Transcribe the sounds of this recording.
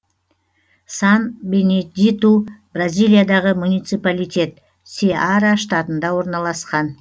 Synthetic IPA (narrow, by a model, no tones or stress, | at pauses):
sɑnbenʲed̪ʲit̪ubrazʲijlʲˠijad̪ɑʁəmunijt̪sɨpalijt̪ʲe̞t̪̚ | seaɾaʃt̪ɑt̪ənd̪ɑwo̞ɾnɑlˠɑsqɑn